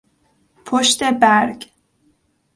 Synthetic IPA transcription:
pʰoʃt̪e̞bæɾɡ

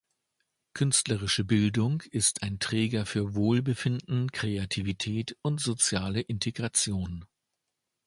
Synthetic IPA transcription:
kʰʏnstləʁɪʃəbɪldʊŋɪstʰaɪntʁ̥ɛːɡɐfyːɐvoːlbəfɪndn̩kʁ̥eatʰivitʰɛːtʊntz̥ot͡sjaːləʔɪntʰeɡʁat͡sjoːn

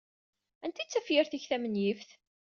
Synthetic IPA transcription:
ænt̪it͡sːæfjɪɾθiçθæmənjifθ

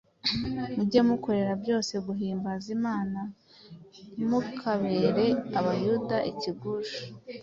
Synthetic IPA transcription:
nuɟemuko̞ɾe̞ɾabjo̞ːse̞ɡuɦiːmbazimaːna | imukʰaβe̞ɾe̞aβajudaʔiciɡuʒu̥

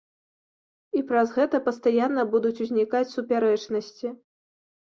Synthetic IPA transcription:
ipɾɐzɣɛt̪ɐpɐst̪ajanːɐbud̪ut͡sʲuzʲnʲikat͡sʲsupʲaɾɛt͡ʂnɐsʲt͡sʲi

